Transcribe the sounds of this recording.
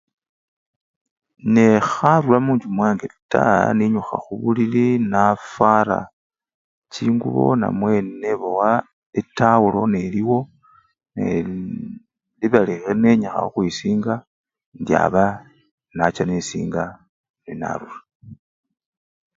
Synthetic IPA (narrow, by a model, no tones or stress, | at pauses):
nexaɾulamuːɲd͡ʒumwaːŋɡeita̰niɲuxa̰xuβulilinafaɾa̰ | t͡ʃiːŋɡṵβo̞̰na̰mwe̞nneβowa | etawulo̞ne̞liwo̞ | nḛ | liβalixeneɲexa̰oxwisiːŋɡa | ndja̰βa | nat͡ʃanesḭːŋɡa | nina̰ɾula